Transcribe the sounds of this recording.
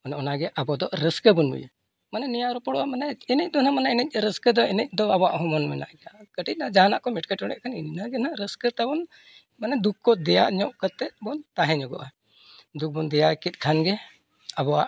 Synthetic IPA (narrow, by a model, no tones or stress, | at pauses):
ɔnɔnaɡɛʔabɔd̪ɔʔɾəskəbunbṵjə̰ | manɛnijaɾɔpɔɽwamanɛɛnəc̚d̪ɔnamanaɛnəc̚ˀɾəskəd̪ɔɛnəc̚ˀd̪ɔabwaʔɦɔmɔnmɛna̰ʔɡɛakəʈic̚nad͡ʒaana̰ʔkɔmɛʈ̚kəʈɔɽɛ̰ʔkʰaninnaɡɛnaɾəskət̪abɔn | manɛd̪ukkːɔd̪ɛja̰ʔɲɔʔkət̪ɛʔbɔnt̪aɦɛ̃ɲɔɡɔ̰ʔa | d̪uk̚bɔnd̪ɛjakit̪̚ˀkʰanɡɛ | abɔwa̰ʔ